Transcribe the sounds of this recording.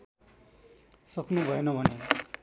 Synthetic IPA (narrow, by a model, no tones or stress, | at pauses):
sʌknubʱʌenʌbʱʌne